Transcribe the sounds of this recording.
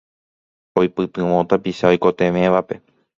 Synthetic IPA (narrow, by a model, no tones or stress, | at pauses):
ojpɨt̪ɨ̃ʋõt̪apiʃaojko̞t̪ẽ̞mẽ̞ʋape̞